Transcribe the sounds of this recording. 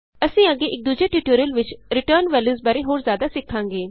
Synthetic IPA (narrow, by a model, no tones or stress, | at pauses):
əsĩːəɡːeːʔɪk̚d̪uːd͡ʒeːʈuːʈuːɾəlʋɪt͡ʃɾɪʈəːɾnʋɛːljuːzbaːɾeːɦoːɾzjaːd̪aːsɪkʰːãːŋɡeː